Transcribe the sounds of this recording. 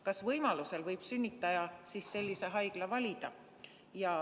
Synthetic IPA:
kɑsvɤjmɑluse̞lvɤjb̥synʲːit̪ːˑɑjɑsisːe̞lʲːise̞ɦɑjɡ̥lɑvɑlʲid̪̥ɑ | jɑ

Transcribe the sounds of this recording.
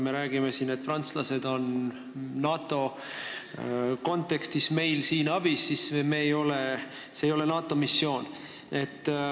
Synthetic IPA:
me̞ɾæːɡ̥ime̞sinet̪̚prɑnt̪slɑse̞d̪o̞nː | ɑːt̪ːˑo̞ | ko̞nt̪ːˑe̞kst̪isme̞jlsiːnɑb̥isːismeːjo̞le | sejo̞le̞nɑːt̪ːˑo̞misːjo̞ːn | e̞t̪ː

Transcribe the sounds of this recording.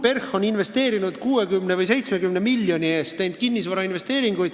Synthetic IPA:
pe̞rxoninve̞st̪e̞ːɾinud̪̥kuːekymnevɯjs̬e̞jt̪sme̞kymnemilʲːjo̞nʲie̞ːst̪ːejnd̪̚kinːis̬vɑɾɑinve̞st̪e̞ːɾiŋɡ̥ujd̪̥

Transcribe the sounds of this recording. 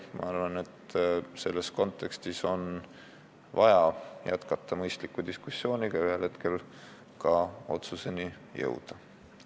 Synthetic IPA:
mʔɑ̰ɑrvɑne̞t̪se̞lːe̞sko̞nt̪ˑːe̞kst̪iso̞n | vɑjɑjæt̪kɑt̪ːɑmɤjst̪likːˑud̪̥iskusjo̞ːniɡ̥ɑyhe̞lhe̞t̪ke̞l | kɑo̞̰t̪suse̞ni | jɤ̰wd̪̥ɑ

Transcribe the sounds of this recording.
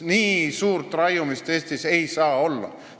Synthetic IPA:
niːsuːɾt̪ˑrɑjumist̪e̞ːst̪ise̞jsɑːo̞lːɑ̰

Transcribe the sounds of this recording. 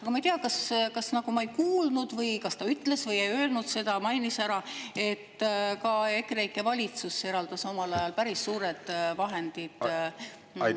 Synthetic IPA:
ɑkɑmɑejt̪iɑkɑskɑsnɑɡ̥umɑe̞jkuːlnud̪̥vɤjkɑst̪ɑyt̪ːˑle̞svɤjejø̞elnud̪se̞d̪̥ɑmɑjnisæɾɑe̞t̪ːkɑe̞krejkːˑe̞vɑlʲit̪suse̞ɾɑld̪̥ɑso̞mɑlɑjɑlpæɾisːuːɾed̪̥vɑɦe̞nd̪̥id̪̥

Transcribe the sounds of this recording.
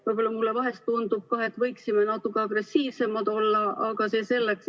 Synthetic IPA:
vɯjb̥o̞lːɑmulːevɑɦe̞st̪ːund̪̥ub̥̚kɑːe̞t̪ːˑvɤjksimenɑt̪ːˑukːˑeɑɡ̥re̞sːiːvse̞mɑd̪̥o̞lːɑɑɡ̥ɑse̞ːse̞lːeks

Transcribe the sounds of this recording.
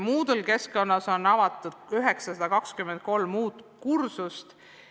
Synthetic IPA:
muːd̪elke̞skkːo̞nːɑso̞nːɑvɑt̪ˑːud̪̥yɦeksɑsɑd̪ɑkɑkskymend̪̚ko̞lmːuːt̪ˑkursust̪

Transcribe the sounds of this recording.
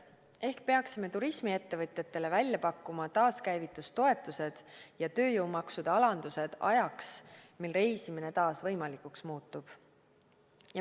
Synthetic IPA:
e̞hkpe̞ɑksime̞t̪uɾismie̞t̪ːe̞vɤt̪ʲˑjɑt̪ːˑe̞levælʲjɑpɑkːumɑt̪ɑːskæjvit̪ːˑust̪o̞e̞t̪ːˑuse̞d̪̥jɑt̪ø̞ːjowmɑksud̪̥ɑɑlɑnd̪̥use̞d̪̥ɑ̰jɑksmilre̞jsimine̞t̪ɑːsvɤjmɑlikuksmuːt̪ːˑub̥ | j

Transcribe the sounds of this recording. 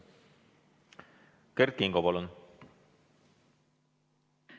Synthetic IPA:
kert̪̚kiŋɡopɑlun

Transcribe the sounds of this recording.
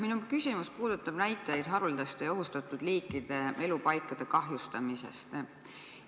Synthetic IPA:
minukysʲimuspuːd̪̥ut̪ːˑɑb̥næjt̪ːˑejd̪̥ɦɑɾuld̪̥ɑst̪ejɑo̞ɦust̪ɑt̪ːˑud̪liːkːˑid̪̥e̞e̞lupɑjkːˑɑd̪̥e̞kɑɦjust̪ɑmise̞̰st̪

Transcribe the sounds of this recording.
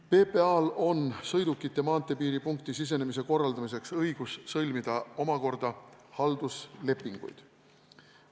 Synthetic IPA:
pe̞ːpe̞ɑːlo̞nsɤ̞jd̪ukːit̪ˑːe̞mɑːnt̪ːˑe̞piːɾipuŋkt̪isis̬e̞nemis̬e̞ko̞rːɑld̪̥ɑmis̬e̞ksɤjɡ̥ussɤlʲmid̪̥ɑo̞mɑko̞rd̪̥ɑhɑld̪̥usle̞pːˑiŋɡ̥ṵjd̪̥

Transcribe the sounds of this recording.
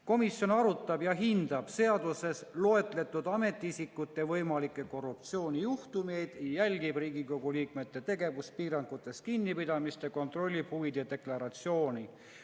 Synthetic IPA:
ko̞misjo̞nɑɾut̪ːˑɑbjɑɦind̪̥ɑb̥se̞ɑd̪use̞slo̞e̞t̪ːˑle̞t̪ːˑud̪ɑme̞t̪ːˑiisikːˑut̪ːe̞vɤjmɑlikːˑe̞ko̞rːup̚t̪sio̞ːnʲijuht̪ume̞jd̪̥jælʲɡib̥riːɡiko̞ɡ̥uliːkme̞t̪ːe̞t̪e̞ɡe̞vuspiːɾɑŋɡ̥ut̪ːˑe̞s̚kinːipid̪ɑmist̪ɑko̞nt̪ro̞lʲːib̥huvid̪̥jɑd̪e̞klɑɾɑt̪sio̞ːnʲi

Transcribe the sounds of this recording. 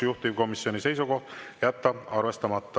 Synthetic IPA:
juht̪ivko̞misːjo̞nise̞jsuko̞ht̪jæt̪ːɑɑrvest̪ɑmɑt̪ːɑ

